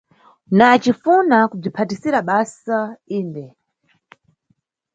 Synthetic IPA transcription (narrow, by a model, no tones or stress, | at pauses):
naːt͡ʃifunakub͡ʐipʰatisiɾaɓasaiːndɛ